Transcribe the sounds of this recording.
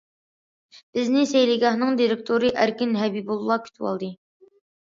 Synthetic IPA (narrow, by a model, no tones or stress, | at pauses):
b̥ɪznɪsejlɪɡʲɑhnɨŋd̪iɾɪk̚ʲt̪ʰoɾɨʔæɾkʲinɦɛbibulˠːɑkʲʰy̥t̪ʰɪwɑ̰lˠd̪ɨ